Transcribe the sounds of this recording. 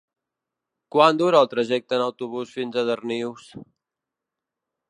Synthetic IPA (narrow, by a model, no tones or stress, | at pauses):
kwand̪uɾəːlˠt̪ɾəʒɛk̚t̪ənəwt̪uβusfinzəðərniws